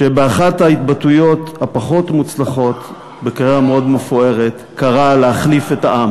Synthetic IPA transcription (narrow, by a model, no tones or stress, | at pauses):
ʃe̞beaχathait̪batujo̞thapaχo̞tmut͡slaχo̞t̪ | bekeʁameo̞dmefoe̞ʁet | kaʁaleaχlife̞taʔam